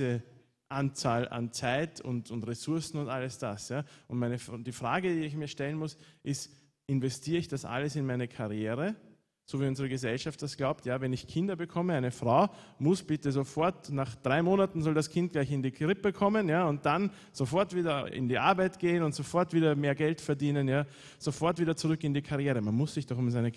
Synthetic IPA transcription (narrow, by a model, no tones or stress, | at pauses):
ə | ʔant͡saːla̰nt͡saɪtʰʊ̰ntʊntʁesʊɐsn̩ʊntʔaləsd̥asjaːʔʊntmaɪnəfd̥iːfʁ̥aːɡədiːɪçmiːɐʃtɛlən̩mʊsʔɪst | ʔɪnvɛstʰiːəɪçd̥asʔa̰ləsɪnmaɪnəkʰaʁjeːʁə | z̥oviːʊnzəʁəɡəzɛlʃaft̚d̥asɡ̥laʊp̚tjaːvɛnɪçkʰɪndɐbəkʰɔməaɪnəfʁaʊmʊsb̥ɪtəzofɔɐtnaχd̥ʁaɪmoːnatn̩zɔldaskʰɪ̃nt̚ɡ̥laɪçɪndiːɡʁɪpəkʰɔmənjaːʊnt̚d̥an | z̥ofɔɐtv̥iːdɐɪ̰ndiːʔa̰ɐbaɪtɡ̥eːənʊntz̥ofɔɐtv̥iːdɐmeːɐɡɛltfɛɐdiːnənjaː | z̥ofɔɐtviːdɐt͡sʊʁʏkɪndiːkʰaʁjeːʁəmanmʊsːɪçd̥ɔχʊmzaɪnə